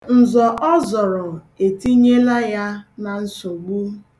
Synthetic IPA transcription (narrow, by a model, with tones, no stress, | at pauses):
n̩˨zɔ˨ʔɔ˦zɔ˨ɾɔ˨ | e˨ti˦ɲe˦la˦ja˦na˨n̩˨so˨ɡ͡bu˦